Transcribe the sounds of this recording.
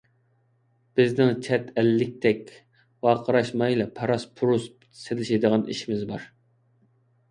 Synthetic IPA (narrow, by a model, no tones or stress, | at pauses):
b̥ɪznɪŋt͡ʃʰɛt̪ɛlːɪk̚ʲt̪ʰɛkʲ | wɑːqʰəɾɑʃmɑjilˠɛpʰɑɾɑspʰuɾus | selɪʃid̪əʁɑnḭʃimɪzbɑɾ